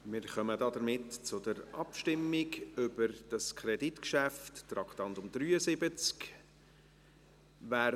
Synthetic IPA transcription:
mɪːɾχœmədɑdəɾmɪtt͡sʊdəɾʔɑpʃtɪmːiɡʏbəɾd̥ɑskʰɾɛditkʃæftːɾɑktɑntʊmd̪ɾyːəsɪbət͡sk | væː

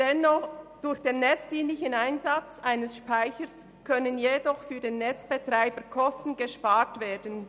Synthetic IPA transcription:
d̥ɛnːɔχd̥ʊɾçd̥eːnːɛt͡sd̥iːnlɪçənaɪnzat͡sʔaɪnəsʃpaɪçəs | kʰœnənjedɔχfyːdeːnːɛt͡sb̥etɾaɪbəkʰɔstn̩ɡeʃpaːɹtveːdən̩

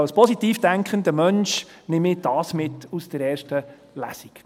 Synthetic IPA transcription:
ɑlspʰɔsit̪iːfd̥æŋkχənd̪əmœnʃ | nɪmɪd̥ɑːsmɪt̪ːusd̥əɾɛːɾʃtə | læ̰sik

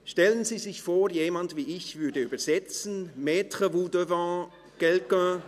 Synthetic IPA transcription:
ʃtɛlənziːzɪçfoːʁjeːmantviːɪçv̥ʏɐdəyːbɐz̥ɛt͡sn̩meːtʁəvudøvɑ̃ | ɡ̥ɛlkœ̃

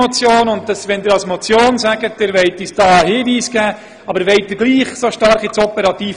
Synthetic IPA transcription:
ɔt͡sjoːnʊntd̥ɑsʋɛnd̪ɪːɾɑlsmot͡sjoːnsæɡət̚d̥ɪɾvɛɪtiːsd̥ɑːəhɪːviːsɡ̥æː | ɑbəɾʋɛɪt̚dɪɡliːχsoʃtɑɾχit͡sɔpəɾɑt̪iː

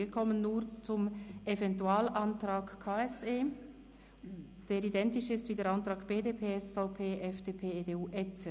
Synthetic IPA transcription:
ikʰɔmənːuːʁt͡sʊmʔevɛntuaːlʔantɾaːkkʰːaːɛseː | d̥eːɾidɛntɪʃɪstviːdeːɐɾantʁɑːkb̥eːdeːpʰeːɛsfaʊpʰeːʔɛfd̥eːpʰeːedeːuːʔɛt

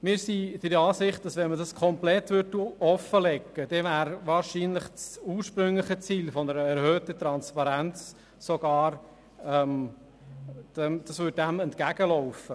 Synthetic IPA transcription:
mɪːɾsid̥ɪɾɑːsɪχt̚d̥ɑsʋɛnmədɑskʰɔmplɛt̪ʋʏɾtuɔfəlɛkːəd̥ɛvæːɾvɑːɾʃiːnlɪχt͡suːɾʃpɾɵŋləχət͡siːlfɔnəɾəɛɾhøːtət̪ɾɑnspɑɾænt͡s | soɡ̥ɑːɾ | ɛm | d̥ɛd̥ɑsʋʏt̚dæmɛntkæɡ̥əlɔʊfə

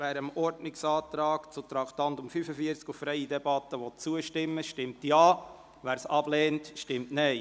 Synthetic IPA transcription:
æːɾəmɔɾdnɪksɑːtɾɑːkt͡sut̪ɾɑkt̪ɑntʊmfyfəfiəɾt͡skufːɾɛɪidɛbɑtəʋɔtt͡suəʃtɪmːəʃtɪmtjɑː | ʋæːɾsɑb̥lɛːntʃtɪmtnɛɪ

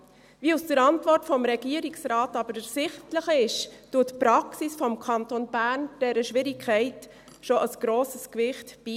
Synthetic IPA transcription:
viːusd̥əɾɑntvɔrtfɔmɾɛɡiəɾiksɾɑːtɑbəɾəsɪχtləχɪʃd̥uːtpɾɑksisfɔmkʰɑntonbæɾnd̥ɛɾəʃʋɪɾikʰɛɪt | ʃoʔɑsɡ̥ɾoːsəskvɪχtb̥iː

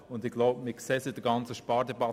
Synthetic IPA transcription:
ʊnd̪ɪɡ̥laʊbmɪksɛsɪd̥əɡɑnt͡səʃpɑːɾdɛbɑ

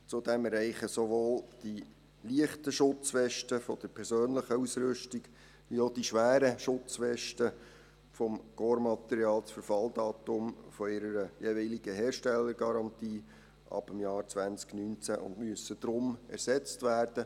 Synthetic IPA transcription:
t͡sʊd̥ɛmɛɾɛɪχəsoʋoːld̥i | liəχtəʃʊt͡sfɛʃtəfɔd̥əɾpʰɛɾsøːnləχəusɾʏʃtiɡ̥ | ʋiod̥iʃʋæːɾəʃʊt͡sfɛʃtə | fɔmɡ̥oːɾmɑt̪ɛɾiɑːlt͡sfəɾfɑldɑːt̪ʊmfɔɪɾəɾəjeviliɡ̥əɦɛːɾʃtɛlːəɾɡ̥ɑɾɑntiː | ʔɑ̰b̥əmjɑːɾt͡sʋænt͡sknynt͡sæʔʊ̰ndmyəsːəd̥̪ɾʊmɛ̰ɾsɛt͡stʋæːrd̥ə

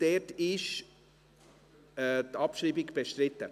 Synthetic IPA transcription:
d̥ɛtɪʃ | ɛt̪ɑpʃriːbɪɡb̥eʃtrɪtːə

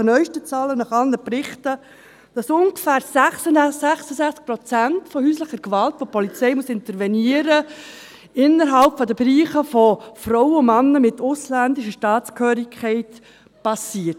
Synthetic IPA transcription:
ənœʏʃtət͡sɑːlənɑχɑnːəprɪχtə | d̥ɑsʊŋɡ̥fæːɾsæχsəsæχsəzæχt͡sk̚pɾɔt͡sæntfɔhyːsləχəɾkʋɑltfɔpʰɔlit͡sɛɪmusɪnt̪əɾʋɛniəɾə | ɪnːəɾɦɑlpfɔdəbɾiːχəfɔfrɔwəʊmɑnːəmɪtʊslændɪʃəʃtɑːtt͡skʰhøːɾɪkχɛɪt | pɑsiːət

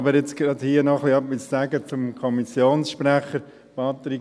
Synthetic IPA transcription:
bəɾjɛt͡sɡ̥ɾɑd̪hiːənɔχliœpissæɡət͡sʊmkʰɔmisjoːnsʃpræχəɾ | pɑt̪ɾi

